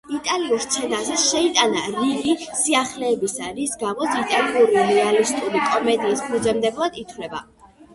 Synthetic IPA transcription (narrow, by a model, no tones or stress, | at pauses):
it̪ʼaliuɾt̪sʰɛnazɛʃɛit̪ʼanaɾiɡisiaχlɛːbisaɾisɡamɔsit̪ʼaliuɾiɾɛalist̪ʼuɾikʼɔmɛd̪iispʰud̪zɛmd̪ɛblˠad̪̥it̪ʰwlɛba̰